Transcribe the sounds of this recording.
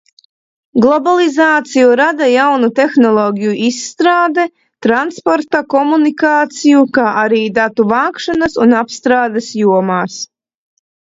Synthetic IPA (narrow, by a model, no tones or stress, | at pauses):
ɡlˠɔbalˠizaːt̪sijuɾad̪ajawnut̪exnɔlˠɔːɡʲijuʔisːt̪ɾaːd̪ɛ | t̪ɾanspɔɾt̪akɔmunikaːt̪sijukaːʔaɾiːd̪at̪uvaːkʃanasunapst̪ɾaːd̪esjuɔmaːs